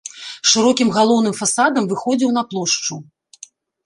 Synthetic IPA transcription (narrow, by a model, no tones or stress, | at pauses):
ʂɨɾɔkʲimɣalˠɔwn̪ɨmfasad̪ɐmvɨxɔd͡zʲiwn̪ɐplˠɔʂt͡ʂu